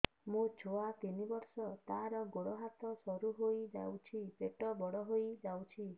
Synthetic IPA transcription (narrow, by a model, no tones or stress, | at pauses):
mũt͡ʃʰoat̪inibɔɾsɔt̪aɾɔɡoɽɔɦat̪ɔsɔɾuɦojd͡ʒa̰wt͡ʃʰipeʈɔbɔɽɔɦojd͡ʒawt͡ʃʰi